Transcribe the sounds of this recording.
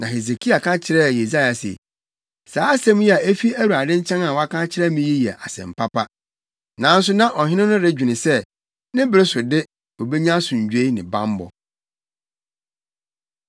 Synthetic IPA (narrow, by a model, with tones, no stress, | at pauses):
nã˨ɦe˨ze˨kʰi˦a˨kʰã˦t͡ɕʰɪ˨ɾɛ˦˨je˨za˦ja˨sḛ˨ | saː˨˦sɛ̃˦m̃˦ji˦a˨e˦fi˦æ˦wu˨a˨dɪ̃˦ɲ̩˦t͡ɕʰɛ̃˦nã˨wa˦kʰã˦t͡ɕʰɪ˦ɾɛ˦mɪ̃˦ji˦jɛ̰˨ʔa˨sɛ̰̃˨mpʰa˦pʰa˦ | nã˨˦n̩˦sʊ˦nã˦ʔɔ˨hɪ˦nɪ̃˦nʊ̃˦ɾe˦d͡ʑᶣu˨nɪ̃˨sɛ˦ | nɪ̃˦bɪ˨ɾɪ˦sʊ˨dɪ˦ | o˨be˦ɲã˦sʊ̃˨ɲ̩˨d͡ʑᶣe˦i˦nɪ̃˨bã̰˦m˦bɔ̰˨